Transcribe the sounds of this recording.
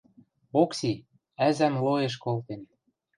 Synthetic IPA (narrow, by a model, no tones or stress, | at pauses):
oksi | æzæmloeʃ̬kolt̪en